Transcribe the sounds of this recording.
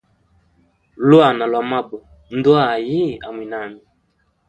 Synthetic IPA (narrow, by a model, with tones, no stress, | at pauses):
lwa˨na˨lwa˨ma˦bɔ˨ | n˦dɔ˦a˦˨ji˦˨a˨mwi˨na˨mi˨